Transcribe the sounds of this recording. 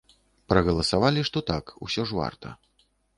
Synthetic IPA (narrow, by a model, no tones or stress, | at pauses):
pɾɐɣɐlˠɐsavalʲiʂt̪ɔt̪akṵsʲɔʐva̰rt̪ɐ̰